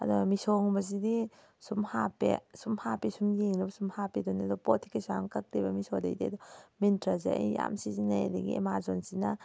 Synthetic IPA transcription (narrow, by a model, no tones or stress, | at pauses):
ɐdɔmisɔŋbɐzidi | sumhapḛsumhapisumjeŋɾɐbɐsumhapedɔnedɔpotʰi̥kasaŋkak̚debɐmisoda̰jdḛɐd̪ɔmintɾazea̰jja̰msizinaj̰deɡḭḛmaɾzonsina